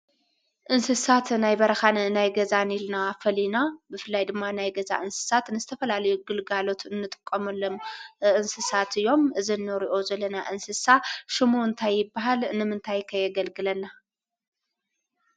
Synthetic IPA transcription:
ʔɨnsɨsat̪najbɐɾɐxannajɡɐzanilnafɐlinabɨfɨlːajd̪ɨmːanajɡɐza̰ʔɨnsɨ̥sat̪nɨzɨt̪ʰɐfɐlalɐjuɡɨlɡalo̞t̪ɨnːɨt̪ʼɨ̥kʼːɐmɐlːomʔɨnsɨsat̪ɨjːo̞mɨzinːɨɾiʔo̞zɐlːɐnaʔɨnsɨsaʃɨmuɨnt̪ʰajːɪbːaɦalnɨmɨnt̪ʰajkʰɐjɐɡɐlɡɨlɐnːa

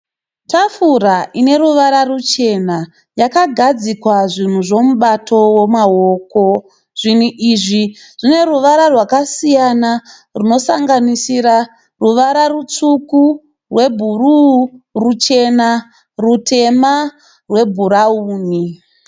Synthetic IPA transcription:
tafuɾaʔine̞ɾuʋaɾarut͡ʃe̞na | jakaɡʱad͡zikwaʐin̤uʐo̞muɓatʰo̞wo̞maoko̞ | ʐ̥in̤uʔiʐiʐ̥ine̞ruʋaɾarwakasijana | runo̞saŋɡanisiɾa | ruʋaɾarut͡suku | rwe̞bʱururut͡ʃe̞na | rutʰe̞ma | rwe̞bʱuɾauːni

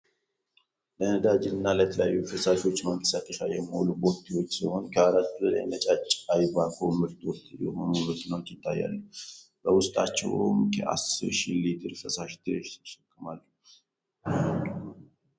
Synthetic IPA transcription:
lənəd̪ad͡ʒɪnɨnːaləjɛt̪ʰəlja̰jːufəsaʃwo̞t͡ʃːməŋkʼə̥sat̪ʼːəʃajɛmholuboɾt̪ʰiwo̞t͡ʃːsiho̞nkʰəaɾat̪ːuləla̰jmət͡ʃʼat͡ʃʼːajbakʰomɨɾt̪ʰʼwɔt̪jɛ̰honomək̪ːinot̪jɪt̪ʰːajːa̰lːuh | b̥əwʊst̪ʼat͡ʃːɛ̰wmkʰə̰ʔa̰sɨɾʃilit̪ʰɨɾfəsaʃt̪ʰɨɾʃəkʼːɨmalːu

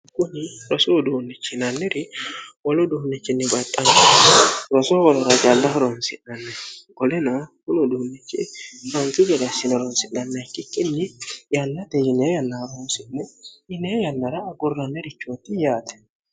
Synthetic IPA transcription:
kʊnɪɾɔsoːd̪uːnːɛt͡ʃːɪnɐnːɛɾɪwɔlɔd̪uːnːɛt͡ʃːɪnːɛbɐt̪ʼːɐn | ɾɔsowɔlɔɾɐd͡ʒɐldɐhɔɾɔnsɪnɐnːɐɡɔlɛnɐkʊnɔd̪uːnːɛt͡ʃːɪ̰ɾɔntɪɡɛd̪ɐsɪnɛɾɔnsɪnːɐnːɐkːɪkːɪnːɪjɐnːɐd̪ɛjɪnejɐnːɐɾonsɪnːɛɪnejɐnːɐɾɐːɡʊrːɐnːɛɾɪt͡ʃːot̪ːɪjaːt̪ɛ̥

